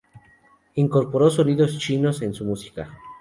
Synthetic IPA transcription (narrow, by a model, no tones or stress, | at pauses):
iŋko̞ɾpo̞ɾosoniðost͡ʃinose̞nsumusi̥ka